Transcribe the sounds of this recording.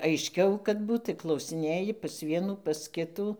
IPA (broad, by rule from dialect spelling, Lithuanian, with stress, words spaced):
ɐɪʃʲˈkʲɛʊ kɐt ˈbuːt tɐɪ klˠɐʊsʲɪˈnʲeːjɪ pɐs ˈʋʲiɛnuː pɐs ˈkʲɪtuː